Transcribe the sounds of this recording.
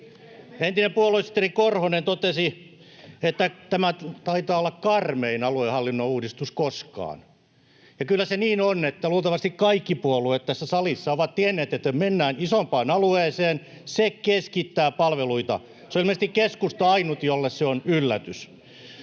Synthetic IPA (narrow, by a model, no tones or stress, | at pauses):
ent̪inempuoluesi̥t̪ːerikorhonent̪ot̪esi | et̪ːæt̪æmæt̪ɑit̪ɑːolːɑkkɑrmeinɑluehɑlːinːouːdist̪uskoskɑ̰ːn | jɑkylːæseniːnonet̪ːæluːt̪ɑʋɑst̪ikkɑikːipuoluet̪t̪æsːæsɑlisːɑoʋɑt̪t̪ienːeːt̪et̪ːæmenːæːnisompɑːnɑlueːseːn | sekeskit̪ːæːpɑlʋeluit̪ɑ̰ | seolilmest̪ikkeskust̪ɑɑinut̪jolːesseonylːæt̪ys